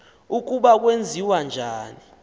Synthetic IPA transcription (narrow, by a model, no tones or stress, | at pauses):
uk̬uɓak̬wend͡zʱiwand͡ʒʱaːni